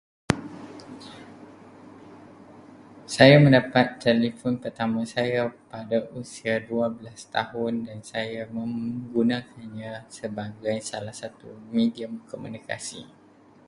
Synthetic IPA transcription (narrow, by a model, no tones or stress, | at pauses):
sajamə̃ndapat̪ːɛlifɔnpərt̪amãsajapadaʔusiaduabəlast̪a̰ɦʊndansajamə̃ŋɡunãkʰanɲãsəbaɡajsalahsat̪umediamkomunika̰sḭ